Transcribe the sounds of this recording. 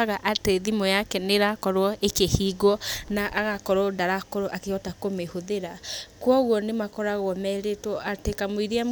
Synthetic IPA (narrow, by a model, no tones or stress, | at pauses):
aɣaʔateðimɔjakɛneɾakɔɾwɔʔekehiɡɔnaʔaɣakɔɾɔdaɾakoɾoʔakeɔtakomehoðeɾakwɔɣwɔnemakɔɾaɣɔmɛɾetwɔʔatekamwiɾiam